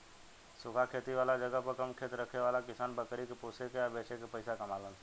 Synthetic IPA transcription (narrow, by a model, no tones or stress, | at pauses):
sʊkʰakʰeːt̪iʋaːlad͡ʒəɡəɦpəɾkɐmkʰeːt̪ɾəkʰeʋaːlakɪsaːnbəkɾikepoːsekeəbeːt͡ʃekepəɪsakɐmaːlən